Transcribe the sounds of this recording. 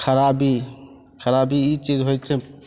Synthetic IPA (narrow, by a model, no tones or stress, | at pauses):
kʰəɾabi | kʰəɾabiit͡ʃid͡ʒɦojt͡ʃʰɛ